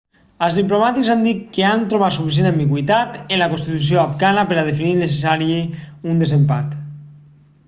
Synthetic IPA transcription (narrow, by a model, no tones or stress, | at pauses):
əlzðiplomat̪ikzand̪it̪kːeant̪ɾoβat̪sufis̬enambiɣwit̪at̪enlakonst̪it̪usjoafkanapeɾað̞efininesesaɾjeund̪ezempa̰t̪